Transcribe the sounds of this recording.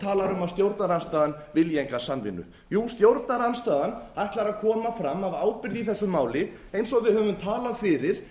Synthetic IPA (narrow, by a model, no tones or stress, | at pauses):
t̪ʰaːlaɾʏmast̪jowɾt̪naɾanst̪aːðanvɪljeŋkasamvɪ̰nːʏ̰ | juːst̪jowɾt̪naɾanst̪aːðanajht̪laɾakʰɔːmafɾamːavaːwpɪɾðiθɛsːʏmːaːwlɪ | ejnsɔavɪðhœːvʏmt̪ʰaːlafɪɾɪɾ̥